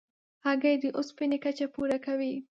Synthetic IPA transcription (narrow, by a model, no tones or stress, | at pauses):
haɡajd̪əʔʊspɪnekat͡ʃapuɾakawi